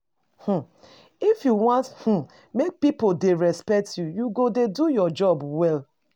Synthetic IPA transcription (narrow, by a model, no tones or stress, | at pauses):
h̩ | ifjuwɔ̃nth̩ | mek̚pipoldeɹɛspɛk̚tjujuɡodedujɔd͡ʒɔbwɛl